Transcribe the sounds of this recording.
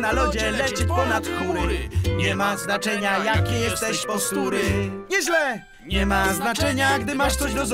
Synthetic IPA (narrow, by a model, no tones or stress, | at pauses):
nalɔd͡ʑɛlɛt͡ɕipɔnat̪kuɾɾɪ̰ɲɛmaznat͡ʂɛɲajakʲɛjɛst̪ɛɕpɔst̪uɾɘɲɛʑlɛ | ɲɛmaznat͡ʂɛɲaɡd̪ɘmaʂt̪sɔʑd̪ɔz